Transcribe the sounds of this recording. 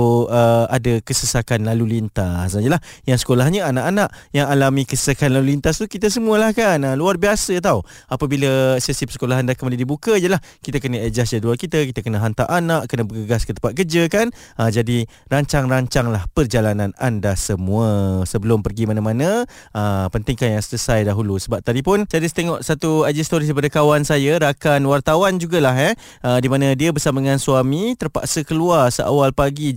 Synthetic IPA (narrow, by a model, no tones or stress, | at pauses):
əadakəsəsakanlalulint̪asijəlahjaŋsə̥kolahɲəanaʔanaʔ | jaŋalamikəsə̥sakanlalulint̪ast̪ukit̪as̬əmuəlahkanəluarbiasət̪̬au | apabiləsəsipəsə̥kolaɦandakəmalədibukəijəlah | kit̪əkənəed͡ʒasd͡ʒadualkit̪akit̪əkənəɦant̪aʔanaʔkənəbəɡəɡaskət̪əpat̪̚kərd͡ʒəkan | əd͡ʒadi | raɲt͡ʃaŋraɲt͡ʃaŋlahpərd͡ʒalanana̰ndasəmũəsəbəlʊmpərɡimanãmanə̃ | ʔəpənt̪ɪŋkanjaŋsələsajdaɦulusəbap̚t̪adipʊnsadist̪eŋɔʔsat̪uad͡ʒist̪oɾidipadəkawansajəɾakanwart̪awand͡ʒuɡalaɦɛ | ədimãnə̃diəbərsamadəŋansuamit̪ərpa̰ʔsəkəluarsəʔa̰walpaɡi